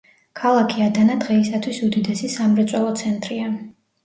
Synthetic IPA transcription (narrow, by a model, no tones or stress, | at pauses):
kʰalˠakʰiad̪anad̪ʁɛisat̪ʰwisud̪id̪ɛsisamɾɛt̪sʼwɛlˠɔt̪sʰɛnt̪ʼɾia